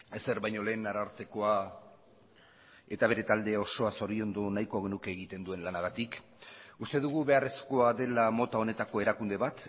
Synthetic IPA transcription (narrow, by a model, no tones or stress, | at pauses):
e̞se̞ɾβajɲo̞le̞ːnaɾaɾt̪e̞ko̞a | e̞t̪aβe̞ɾe̞t̪ald̪e̞o̞so̞aso̞ɾio̞nd̪o̞najko̞ɣe̞nuke̞ːɣit̪e̞nd̪ue̞nlanaɣat̪ik | ust̪e̞ðuɣ̞uβe̞are̞sko̞aðe̞lamo̞t̪ao̞ne̞t̪ako̞e̞ɾakund̪e̞βat̪